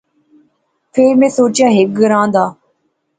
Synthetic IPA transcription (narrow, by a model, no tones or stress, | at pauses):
pʰeːɾmɛ̃ːsoːt͡ʃjãːɦɪk̚ɡəɾãːnd̪aː